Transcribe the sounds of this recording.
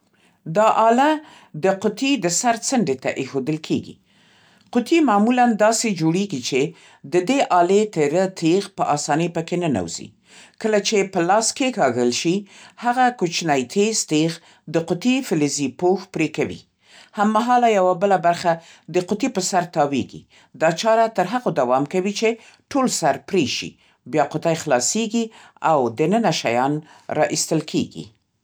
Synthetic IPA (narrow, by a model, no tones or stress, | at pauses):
d̪ɑʔɑla | d̪əqʊt̪id̪əsaɾt͡səɳɖet̪a̰ʔexod̪əlkʰeɡḭ | qʊt̪imɑmuland̪ɑsed͡ʒoɽeɡit͡ʃe | d̪əd̪eʔɑlet̪eɾət̪ʰeɣpəʔɑsɑnəjpəkenana̰wz̥ḭ | kəlat͡ʃepəlɑskekɑɣəlʃihaɣakut͡ʃnajt̪ʰest̪eɣ | d̪əqʊt̪ifɪlɪzipoxpɾekawḭ | hamːaɦɑlajawabəlabaɾxa | d̪əqʊt̪ipəsaɾt̪ɑweɡḭ | d̪ɑt͡ʃɑɾat̪əɾɦaɣod̪awɑmkawit͡ʃe | ʈolsaɾpɾeʃḭ | bjɑqʊt̪ajxlɑseɡi | awd̪ənənaʃajɑn | ɾɑ̰ʔist̪əlkʰḛɡḭ